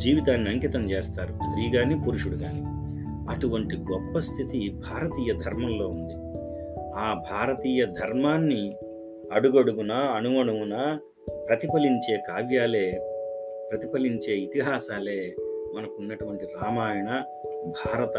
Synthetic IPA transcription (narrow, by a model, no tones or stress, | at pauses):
d͡ʒiːʋit̪aːnːiɐŋkit̪ɐmt͡ʃe̞ːst̪aːɾust̪ɾiːɡaːnipuɾuʂuɽuɡaːni | ɐʈuʋɐɳʈiɡɔpːɐst̪ʰit̪ibʱaːɾɐt̪iːjɐd̪ʱɐɾmɐmlo̞ːund̪i | aːbʱaːɾɐt̪iːjɐd̪ʱɐɾmaːnːi | ɐɽuɡoɽuɡunɐːnumɐɳuwunɐ | pɾɐt̪ipɐliɲt͡ʃe̞ːkaːʋjaːle̞ː | pɾɐt̪ipɐliɲt͡ʃe̞ːit̪iɦaːsaːle̞ːmɐnɐkunːɐʈuʋɐɳʈiɾaːmaːjɐɳɐ | bʱaːɾɐt̪ɐ